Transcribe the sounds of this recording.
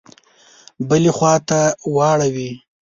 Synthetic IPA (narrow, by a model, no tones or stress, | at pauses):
bəlexwɑt̪awɑɽawi